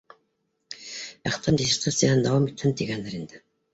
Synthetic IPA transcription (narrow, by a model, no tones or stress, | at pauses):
æχt̪ɑnd̪ʲisʲiɾt̪ʰat̪sijaɦɤnd̪ɑwɑmit̪hɘnt̪iɡænd̪ɘɾind̪ɘ